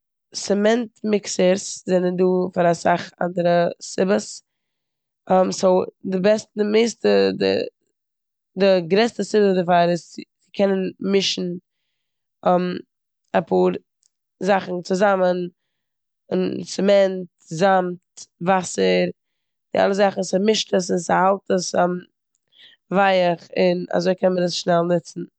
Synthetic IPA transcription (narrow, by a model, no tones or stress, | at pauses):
sɛmɛntmɪksəɾszɛnənduːfaɾasaχa̰ndəɾəsɪbəs | msodɪbɛstdɪmeɪstədɪ̰ | dɪɡɾɛstəsɪbədəfaːɾɪs | ɪkʰɛnənmɪʃn̩ | m | apʰuːɾ | zaχn̩t͡sʊzamən | ɪnsɪmɛnt | zamtvasəɾ | d̥ɪa̰lˠəzaχn̩sɪmɪʃtəs̬ɪnsɪhalˠtəsm | vaɪəχɪna̰zoɪkʰɛnməɾəsʃnɛlˠnɪt͡sn̩